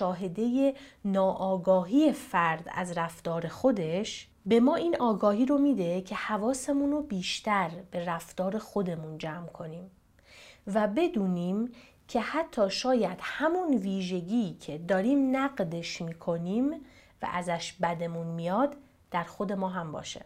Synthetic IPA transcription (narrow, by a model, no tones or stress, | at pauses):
ʃɒːɦe̞d̪e̞je̞nɒːʔɒːɡɒːɦiːje̞fæɾd̪æ̰zræft̪ɒːɾe̞xo̞d̪e̞ʃ | be̞mɒːiːnɒːɡɒːhiːɾo̞miːd̪e̞cʰe̞hævɒːse̞munobiːʃt̪æɾb̥e̞ræft̪ɒːɾe̞xo̞d̪e̞mund͡ʒæːmkʰo̞niːm | væbe̞d̪uːniːm | cʰe̞hæt̪ʰːɒːʃɒːjæd̪̥hæmunviːʒe̞ɡiːcʰe̞d̪ɒːɾiːmnæɢd̪e̞ʃmiːkʰo̞niːm | væ̰ʔæzæʃbæd̪e̞munmijɒːd̪ː | æɾxo̞d̪e̞mɒːɦæmbɒ̰ːʃḛ